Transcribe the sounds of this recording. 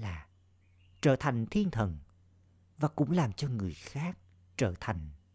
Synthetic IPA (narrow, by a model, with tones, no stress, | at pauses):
laː˨˩ | t͡ɕəː˧˩t̪ʰa˨˩jŋ̟t̪ʰi˧ənt̪ʰə˨˩n | vaː˨˩kʊ̰˧˥ŋ͡mlaː˨˩mt͡ɕɔ˧ŋɨ˨˩əjxaː˦˥k̚ | t͡ɕəː˧˩t̪ʰa˨˩jŋ̟